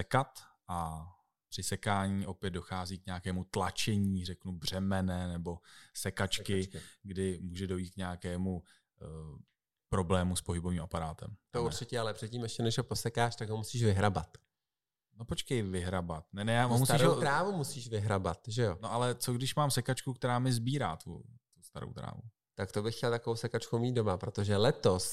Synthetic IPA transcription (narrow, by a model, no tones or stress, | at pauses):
sɛkat̪ʔa | pr̥ɪsɛkaːɲiːʔo̞pjɛd̪do̞xaːziːk̚ɲaakɛːmut̪lat͡ʃɛɲiːrɛknubr̝̥ɛmɛnɛnɛbo̞sɛkat͡ʃkɪɡdɪmuːʒɛdo̞jiːt̪̚kɲaakɛːmu | pɾo̞blɛːmuspoɦɪboviːmapaɾaːt̪ɛ̰mt̪ouɾt͡ʃɪcɛalɛpr̝̥ɛt̪̚ciːmɛʃcɛnɛʃɦopo̞sɛkaːʃt̪aɡɦomusiːʃvɪɦɾaba̰t̪ | nopot͡ʃkɛjvɪɦɾabat̪̚nɛnɛjaːɦomust̪aiʃɾoɾaːvumusiːʃvɪɦɾaba̰t̪ʒɛjo̞noʔalɛt͡soɡdɪʃmaːmsɛkat͡ʃkuk̚t̪ɛɾaːmɪzbiːɾa̰ːt̪ṵt̪ust̪aɾo̰wt̪ɾa̰ːvṵ | t̪akt̪o̞bɪxcɛlt̪akovowsɛkat͡ʃkowmiːd̪do̞mapɾo̞t̪o̞ʒɛlɛt̪o̞s